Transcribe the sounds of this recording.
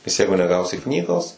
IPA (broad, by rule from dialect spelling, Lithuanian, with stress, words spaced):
nʲɛs ˈjɛɪɡʊ nʲɛˈɡɐʊsʲɪ ˈknʲiːɡoːs